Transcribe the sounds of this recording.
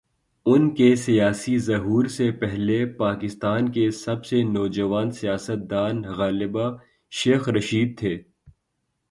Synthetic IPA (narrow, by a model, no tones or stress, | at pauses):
ʊnkesijaːsizɐɦuːɾsepɛɦlepaːkɪst̪aːnkesɐbsenɔːd͡ʒɐʋaːnsijaːsət̪̚d̪aːnɣaːlɪba | ʃeːxɾɐʃiːd̪̚t̪ʰeː